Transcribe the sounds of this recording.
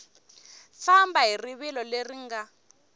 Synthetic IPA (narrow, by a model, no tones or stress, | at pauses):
fambaɦiriβilɔleriŋɡa